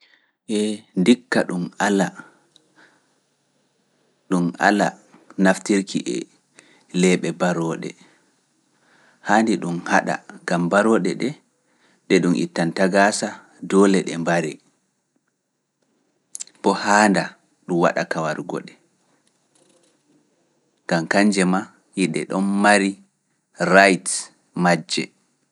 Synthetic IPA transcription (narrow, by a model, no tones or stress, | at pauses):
ʔɛndikːaɗumala | ɗuma̰la̰naftiɾkʰiʔɛ̰ | lɛːɓɛbaɾɔːɗɛ̰ | haːndiɗumhaɗa̰ɡambaɾɔːɗɛɗɛ | ɗɛɗumʔḭtːantaɡasa | dɔlɛɗɛmbaɾɛ | bɔhaːnda | ɗumwa̰ɗakawaɾɡɔ̰ɗɛ | ŋɡ̥amkaɲd͡ʒɛma | jiɗɛ̰ɗɔnmaɾi | ɾajt | mad͡ʒːɛ